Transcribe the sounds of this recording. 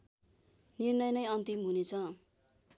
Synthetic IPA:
nirnʌjnʌjʌnt̪imɦunet͡sʰʌ

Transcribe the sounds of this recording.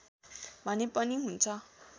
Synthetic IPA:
bʱʌnepʌniɦunt͡sʰʌ

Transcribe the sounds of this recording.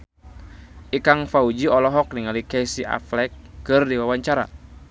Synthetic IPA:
ʔikaŋfaud͡ʒiɔlɔɦɔk̚niŋalikɛsiʔa̰flɛkːɨrdiwawaɲt͡ʃaɾa̰

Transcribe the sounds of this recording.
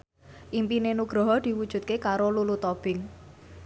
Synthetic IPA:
ʔimpinenuɡ̥ɾɔ̤ɦɔd̪̥i̤wud̥ʒ̥ṳt̪̚kekaɾolulut̪ɔb̥ɪŋ

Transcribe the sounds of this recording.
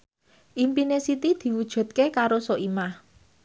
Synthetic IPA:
ʔimpinesit̪id̪̥i̤wud̥ʒ̥ṳt̪̚kekaɾosoʔimah

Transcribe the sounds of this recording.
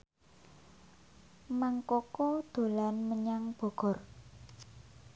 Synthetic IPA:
maŋkokod̪̥o̤lanməɲaŋb̥ɔ̤ɡ̥ɔ̤r

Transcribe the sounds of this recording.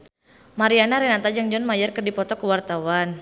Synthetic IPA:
maɾianaɾɛnat̪ad͡ʒaŋd͡ʒɔnmajarkərdipɔt̪ɔkəwart̪awan

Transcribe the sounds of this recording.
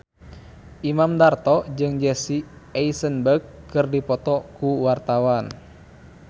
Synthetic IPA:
ʔimamdart̪ɔd͡ʒɨŋd͡ʒɛsiɛisənbərɡ̚kːɨrdipɔt̪ɔkuwart̪awan

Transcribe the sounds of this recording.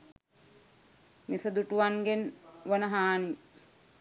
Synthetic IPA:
misəd̪uʈuʋanɡenʋənəɦaːni

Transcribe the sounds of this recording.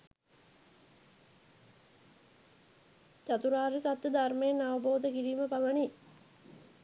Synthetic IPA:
t͡ɕat̪uɾaːɾesat̪jəd̪ʱarmejenaʋəboːd̪əkiɾiːməpaʋəni

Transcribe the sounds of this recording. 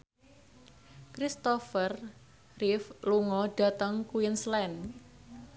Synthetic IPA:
kɾist̪ɔfər | rifluŋɔɖ̥a̤t̪əŋkuinslɛn

